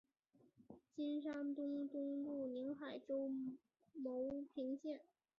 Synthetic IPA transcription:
t͡ɕi˥nʂa˥ŋt̪ʊ˥ŋt̪ʊ˥ŋlu˥˩ni˧˥ŋxa˨˩ɪʈ͡ʂo˥ʊ | mo˧˥ʊpʰi˧˥ŋɕjɛ˥˩n

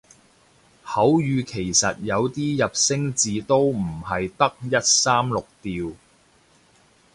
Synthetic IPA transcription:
hɐ˨˥wjyː˨˧kʰe˨˩jsɐ˨t̚jɐ˨˧wt̪iː˥jɐ˨p̚sɪ˥ŋt͡siː˨˧t̪o˥wm̩˨˩hɐ˨jt̪ɐ˥k̚jɐ˥t̚saː˥mlʊ˨k̚t̪iː˨w

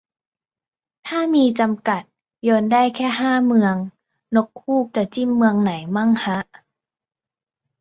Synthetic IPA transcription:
t̪ʰaː˥˩miː˧t͡ɕa˧mka˨˩t̪̚ | joː˧nda˥˩jkʰɛː˥˩ɦaː˥˩mɯ˧əŋ | no˦˥kʰːuː˥˩k̚t͡ɕa˨˩t͡ɕi˥˩mːɯ˧əŋna˩˦jma˥˩˨ŋha˦˥ʔ

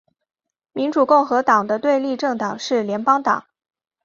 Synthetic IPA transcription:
mi˧˥nʈ͡ʂu˨˩kʊ˥˩ŋxɤ˧˥t̪ɑ˨˩ŋd̪ə˦t̪we˥˧ɪli˥˧ʈ͡ʂɤ˥˩ŋt̪ɑ˨˩ŋʂɻ̩˥˩ljɛ˧˥npɑ˥ŋt̪ɑ̰˨˩˦ŋ

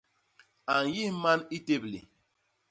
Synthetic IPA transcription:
a˨n˨ji˦ma˦ni˦te˦blḭ˨

